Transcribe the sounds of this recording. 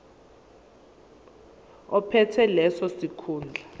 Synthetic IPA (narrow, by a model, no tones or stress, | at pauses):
ɔpʰɛtʰɛlɛsɔsikʰuːnd͡ɮʱa